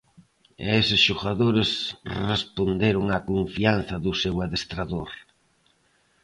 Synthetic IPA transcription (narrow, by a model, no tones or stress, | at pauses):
esɪsʃoɣaðoɾesrespond̪eɾoŋakoɱfianθɐðʊsewaðest̪ɾaðoɾ